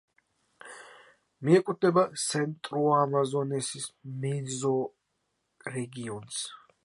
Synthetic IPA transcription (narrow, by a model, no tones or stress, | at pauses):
miɛkʼut̪̚ʰd̪ɛbasʰɛnt̪ʼɾɔamazɔnɛsismɛzɔ | ɾɛɡiɔns